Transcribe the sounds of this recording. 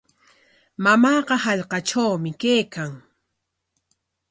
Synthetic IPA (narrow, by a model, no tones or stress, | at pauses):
mamɑːɢɑhɑʎqɑʈ͡ʂawmɪkejkaŋ